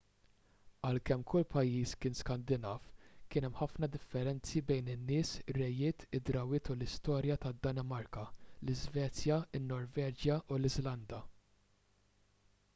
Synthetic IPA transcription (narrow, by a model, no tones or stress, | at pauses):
ɐlkɛmːkʊlːpɐjːiːskɪːnskɐnd̪ɪnɐːfkɪːnɛmħɐfnɐd̪ɪfːɛɾɛnt͡sibɛjnɪnːɪːsrːɛjːɪːt̪ɪd̪ɾɐwɪːt̪ulɪst̪ɔːɾjɐt̪ɐd̪ːɐnɛmɐɾkɐlɪzvɛːt͡sjɐɪnːɔɾvɛːd͡ʒjɐʔulɪzlɐnd̪ɐ